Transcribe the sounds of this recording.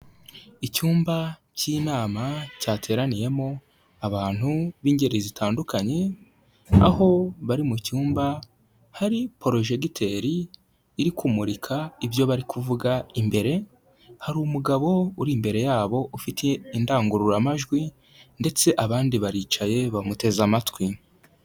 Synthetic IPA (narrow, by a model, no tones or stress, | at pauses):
icuːmbaciːnaːmacaːtʰe̞ːɾanije̞mo̞ | aβaːn̥huβiːɲɟe̞ɾezitʰaːndukʰaɲe̞ | a̰ho̞βaɾimucuːmba | haɾipo̞ɾo̞ʒe̞ɡitʰe̞ɾiː | ɾikʰumuɾikʰaivjo̞βaɾikʰuvuɡaimbe̞ɾe̞ | haɾuːmuɡaβo̞uɾiːmbe̞ɾe̞jaːβo̞ufitʰeindaːŋɡuɾuɾamaʒɡwi | nde̞t͡se̞ʔaβaːndiβaɾiːt͡ʃaje̞βamute̞zamatwi